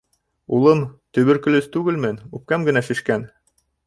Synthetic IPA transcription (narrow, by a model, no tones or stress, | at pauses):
ulˠɤmt̪ɵ̆βɘ̆ɾkɵ̆lɵst̪ʉɡɘlmɘnʉp̚kæmɡɘ̆næʃĭʃkæn